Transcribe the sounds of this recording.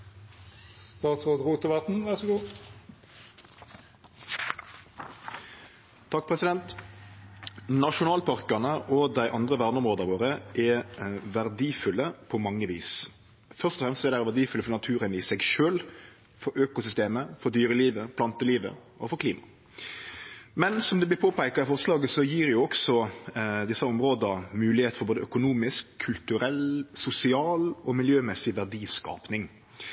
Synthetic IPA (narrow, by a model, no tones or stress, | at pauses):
st̪ɑːt̪sʁoːd̪ʁuːt̪əʋɑt̪n̩ʋæʁsɔɡuː | t̪ʰɑk̚ːpʰʁɛsɪd̪ɛnt̪ | nɑʂʊnɑːlpʰɑʁkɑʁnəʔɔd̪æɪʔɑnd̪ʁəʋæʁnəɔmʁoːd̪əʁʋoːʁəʔɛʋæʁd̪iːfʉlːəpʰɔmɑŋːəʋḭːs | fœʁst̪ɔfʁɛmst̪sɔɛd̪æɛʁʋæd̪iːfʉləfɔnɑt̪ʰʉːɾənɪsɛɡʃøːl | fɔɾøːkʊsʏst̪eːməfɔɾd̪yːɾəliːʋəpʰlɑnt̪əliːʋə̰ | ɔfɔɾkʰliːmɑ | mɛnsɔmd̪ɛblɪɾpʰoːpʰæɪkɑɪfɔʁslɑːɡəsɔjiːɾjʊɔksɔd̪ɪsːɑɔmɾoːd̪ɑmʉːlɪheːt̪fɔɾboːd̪əœkʊnuːmɪskʰːʉlt̪ʉɾɛlsʊsɪɑːlɔmɪljøːmɛsɪʋæʁɖ̪iːskɑ̰ːpnɪŋ